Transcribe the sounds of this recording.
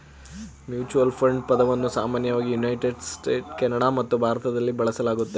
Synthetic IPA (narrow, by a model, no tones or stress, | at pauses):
mjuːt͡ʃuʋɐlpʰɾɐɳɖpɐd̪ɐʋɐnːusaːmaːnjɐʋaːɡijunɐjʈeɖsʈe̞ːʈkɛnːɐɽamɐt̪ːubʱaːɾɐt̪ɐd̪ɐlːibɐɭɐsɐlaːɡut̪ːe